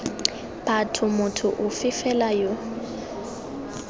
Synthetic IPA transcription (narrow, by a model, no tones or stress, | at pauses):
patʰʊmʊtʰʊʔʊfɪfɛlajo